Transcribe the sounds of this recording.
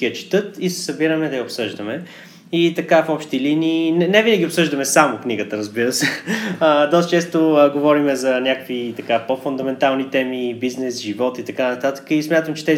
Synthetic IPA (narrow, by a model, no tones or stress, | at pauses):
iət͡ʃi̥t̪ɤt̪isɛ̥sɐbiɾəmɛd̪ɐjəopsɤʒd̪əmɛ | it̪ɐkafɔpʃt̪iliniːnɛnɛvinəɡʲiopsɤʒd̪əmɛsamokniɡət̪əɾəzbiɾəsɛəd̪ɔst̪ət͡ʃɛst̪oəɡovɔɾimɛzɐnʲakəkvit̪ɐkapofʊnd̪ɐmɛnt̪alˠnit̪ɛmibiznɛsʒivɔt̪it̪ɐkanɐt̪at̪ə̥kəismʲjat̪əmt͡ʃɛ̥t̪ɛz